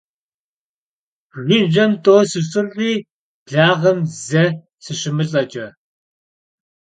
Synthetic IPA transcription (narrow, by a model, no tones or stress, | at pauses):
ʁiʒɐmtʼoːsɨsʼɨrʁi̥ː | ɮaːʁɐmzɐ | sɨɕɪmɨɬʼɐt͡ʃʼɐ